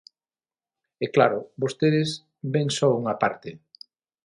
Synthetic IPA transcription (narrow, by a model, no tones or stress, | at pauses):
ɛklaɾʊbost̪eðɪs | beŋsɔuŋapa̰ɾt̪ɪ